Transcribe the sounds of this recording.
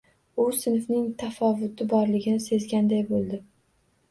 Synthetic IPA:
ʊsɪnfnɪŋt̪ʰafɒvʊt̪ɪbɒɾlɪɡʲɪnɪse̞zɡʲand̪ajbolˠd̪ɪ

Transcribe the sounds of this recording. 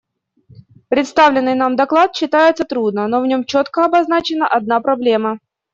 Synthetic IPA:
pɾʲɪt̪st̪avlʲɪnːɨjnamd̪ɐklˠat̪ɕːɪt̪ajɪt̪sət̪ɾud̪̚nəno̞vnʲo̞mt͡ɕot̪kəɐbɐznat͡ɕɪnəʔɐd̪̚napɾɐblʲe̞mə

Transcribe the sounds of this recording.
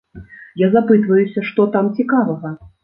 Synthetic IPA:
jazapɨt̪vɐjusʲɐʂt̪ɔt̪amt͡sʲikavɐɣɐ

